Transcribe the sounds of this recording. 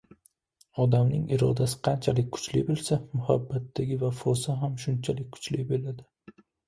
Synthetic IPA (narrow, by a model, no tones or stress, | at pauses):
ɒd̪amnɪŋɪɾɒd̪asɪ̥qʰɑnt͡ʃʰalɪk̚ʲkʰʊ̥t͡ʃlɪ̰bɪlˠsamʊha̰bːat̪ːaɡʲɪvafɒsaɦamʃʊnt͡ʃʰalɪk̚ʲkːʰʊ̥t͡ʃlɪbelad̪ɪ